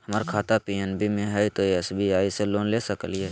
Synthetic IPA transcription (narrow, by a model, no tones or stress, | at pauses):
həməɾkʰaːt̪apiɛnbʱimẽɦɛit̪oeɛsbiaːiseloːnleːsəkəliɦɛː